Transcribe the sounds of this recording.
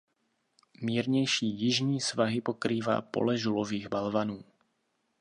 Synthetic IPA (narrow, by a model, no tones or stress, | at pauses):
mɪɛɾɲɛjʃiːjiʒɲiːsʋaɦipɔkɾiːʋa̰pɔ̰lɛʒulɔʋiːɣbalʋanuː